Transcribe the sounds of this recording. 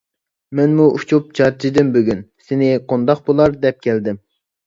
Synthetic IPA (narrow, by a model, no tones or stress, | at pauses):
mɛnmuʔut͡ʃʰup̚t͡ʃʰɑɾt͡ʃʰid̪ɪmbøɡʲynsɪnɪqʰond̪ɑq̚bolˠɑɾd̪ɛp̚kʲʰɛld̪ɪm